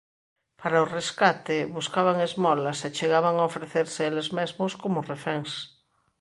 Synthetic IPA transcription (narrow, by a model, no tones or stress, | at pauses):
paɾaoreskat̪eβuskaβaŋezmɔlasat͡ʃeɣ̞aβaŋaofɾeθeɾseelezmezmoskomorefeŋs